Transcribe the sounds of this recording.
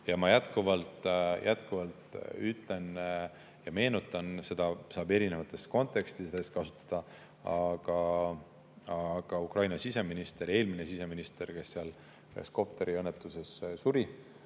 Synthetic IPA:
jɑmɑjæt̪kuvɑlt̪jʔæt̪kuvɑlt̪ˑyt̪ːˑle̞n | jɑme̞ːnut̪ːˑɑnse̞d̪̥ɑsɑːbe̞ɾine̞vɑt̪ːˑe̞st̪ko̞nt̪ˑe̞kst̪isd̪eskɑsu̥t̪ːˑɑ̥d̪̥ɑ | ɑɡ̥ɑ | ɑɡ̥ɑukrɑjnɑsise̞minist̪e̞ɾe̞ːlminesise̞minist̪e̞rke̞sːeɑl | kḛsko̞p̚t̪e̞ɾiɤnːet̪ːˑuse̞ssuɾi

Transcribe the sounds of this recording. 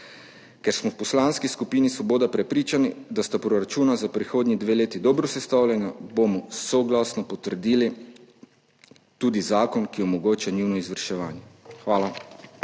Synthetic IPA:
kɛɾsmɔwpɔslaːnskiskupiːnisʋɔboːd̪apɾɛpɾiːt͡ʃanid̪ast̪apɾɔɾat͡ʃuːnazapɾixoːd̪nid̪ʋeːleːt̪id̪ɔːbɾɔsɛst̪awlʲjɛnjabomɔsɔɡlasnɔpɔt̪əɾd̪iːli | t̪uːd̪izaːkɔnkiɔmɔɡoːt͡ʃaniwnɔizʋəɾʃɛʋaːnjɛxʋaːla

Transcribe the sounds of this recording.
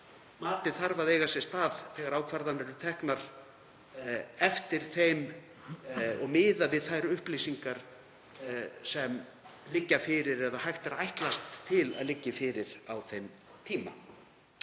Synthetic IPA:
maːt̪ɪθaɾvaðeːjɣasɛst̪aːðθɛːɣaɾaːwkʰvaɾðanɛɾʏt̪ʰɛhknaɾ̥ | ɛft̪ɪɾ̥θejm | ɔɣmɪːðavɪðθajɾʏhplisiŋkaɾ̥ | sɛm | lɪcːafɪɾɪɾɛðahajht̪aɾajht̪last̪ʰːɪla̰ðlɪcːɪfɪɾɪɾ̥awθejm | t̪ʰiːma̰

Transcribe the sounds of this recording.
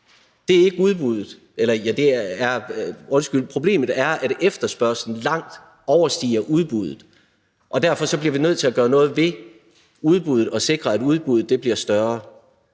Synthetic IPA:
d̥e̝æɐe̝ɡ̥əuð̞ˠb̥uð̰ˠð̩ˠ | ʔelɐjæd̥e̝æɐɔ̽nsɡ̥ylpʰʁo̝b̥le̝̰ːmð̩ˠæɐʔæɾ̥efd̥ɐsb̥ɶɐ̰sln̩lɑ̈ŋ̰d̥ | ɒʊɐsd̥ḭːɐʔuð̞ˠb̥uðˠð̩ˠ | ʔɒ̽d̥æɐfɒ̽sɒ̽b̥liɐʋinøð̞̰ˠt͡sʰe̝læɡ̥ɶːɐnɔ̽ːð̞̩ˠʋe̝ | uð̞ˠb̥uð̞ˠð̩ˠɒ̽se̝ɡ̥ʁɐæduð̞ˠb̥uð̩ˠd̥e̝b̥liɐsd̥ɶɐ

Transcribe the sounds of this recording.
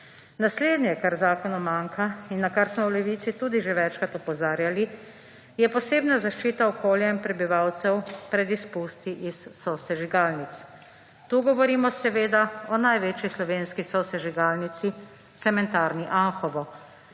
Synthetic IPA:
nasleːd̪nɲjɛkaɾzaːkɔnɔmaŋkʰainːakaɾsmɔwlɛʋiːt̪sit̪uːd̪iʒeʋɛt͡ʃkat̪ɔpɔzaːɾjali | jɛpɔseːbnazaʃt͡ʃiːt̪aɔkoːljainpɾɛbiʋawt̪sɛwpɾɛd̪ispust̪iʔisːɔsɛʒiɡaːlnit̪s | t̪uːɡɔʋɔɾiːmɔsɛʋeːd̪aɔnajʋeːt͡ʃislɔʋeːnskisɔsɛʒiɡaːlnit̪si | t̪sɛmɛnt̪aːɾniʔanxɔʋɔ

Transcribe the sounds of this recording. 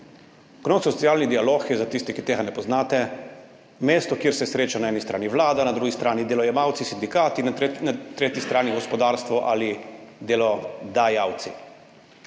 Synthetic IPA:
knosɔsiaːlnid̪ialoːxjɛzat̪ist̪ɛkit̪eːɡanɛpɔznaːt̪ɛ | meːst̪ɔkjeːɾsɛsɾeːt͡ʃanaɛːnist̪ɾa̰ːniʋlaːd̪anad̪ɾuːɡist̪ɾaːnid̪elɔjɛmawt̪sisind̪ikaːt̪inanat̪ɾeːt̪jist̪ɾaːniɡɔspɔd̪aːɾst̪ʋɔʔa̰lid̪elɔd̪ajawt̪sḭ

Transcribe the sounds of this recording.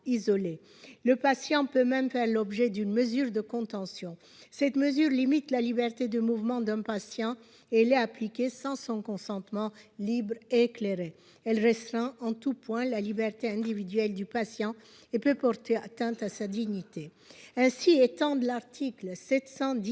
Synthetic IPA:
izɔle | ləpasjɑ̃pømɛmfɛʁlɔbʒɛd̪ynməzyʁd̪əkɔ̃t̪ɑ̃sjɔ̃ | sɛt̪məzyʁlimit̪lalibɛʁt̪ed̪əmuvmɑ̃d̪ɛ̃pasjɑ̃ | eɛlɛaplikʲesɑ̃sɔ̃kɔ̃sɑ̃t̪mɑ̃libʁeːkleʁe | ɛlʁɛst̪ʁɛ̃ʔɑ̃t̪upwɛ̃lalibɛʁt̪eɛ̃d̪ivid̪ɥɛld̪ypasjɑ̃ | epøpɔʁt̪eat̪ɛ̃t̪asad̪iɲit̪e | ɛ̃siet̪ɑ̃d̪əlaʁt̪ʰiklsɛt̪sɑ̃d̪

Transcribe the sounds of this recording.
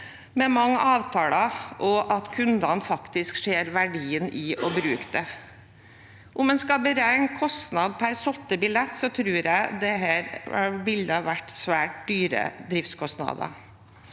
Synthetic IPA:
mɛmɑŋːəʔɑːʋt̪ʰɑːlɑʔɔʔɑt̪kʰʉnd̪ɑnfɑkt̪ɪskʂeːɾʋæɖiːənɪʔɔbɾʉːkd̪ɛ | ʔʊmɛnskɑbəɾæɪŋkʰɔst̪nɑd̪̚pʰæɾsɔt̪ːəbɪlɛt̪ːsɔt̪ʰɾʉːɾjæɪd̪ɛɦæːɾɑʋɪld̪əɑʋæʈːsʋæːʈ̚d̪yːɾə̰d̪ɾɪft̪skʰɔst̪nɑ̰ːd̪ɑ̰

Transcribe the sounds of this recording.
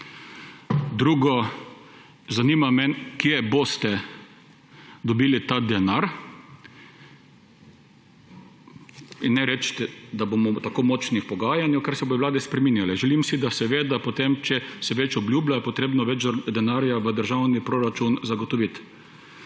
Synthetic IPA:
d̪ɾuːɡɔ | zaniːmamɛnkjɛbost̪ɛ | d̪ɔbiːlit̪ad̪ɛnaɾ | inːɛɾɛt͡ʃt̪ɛd̪abomɔt̪akoːmɔt͡ʃnixpɔɡaːjanjɛwkaɾsɛbojɔʋlaːd̪ɛspɾɛminjalɛʒɛlimsid̪asɛʋeːd̪apot̪emt͡ʃɛsɛʋɛt͡ʃɔblʲjuːblʲajɛpɔt̪ɾeːbnɔʋɛd͡ʒɾd̪ɛnaːɾjaʋəd̪əɾʒawnipɾoːɾat͡ʃunzaɡɔt̪ɔʋit̪

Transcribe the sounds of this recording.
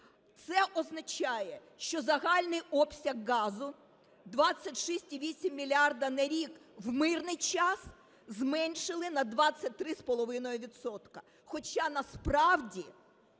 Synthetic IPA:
t̪sɛʔɔznɐt͡ʃɑjɛ | ʃt͡ʃɔzɐɦɑlʲnɪjɔpsʲɐɣːɑzʊ | d̪ʋɑt͡sʲːɐtʲʃisʲtʲiʋʲisʲimːʲilʲiard̪ɐnɐɾʲikwmɪrnɪjt͡ʃɑs | zmɛnʲʃɪlˠɪnɐd̪ʋɑt͡sʲːɐt̚ʲt̪ɾɪspɔlˠɔʋɪnɔjʊʋʲid̪sɔt̪kɐ̥ | xɔt͡ʃɑnɐspɾɑwdʲi

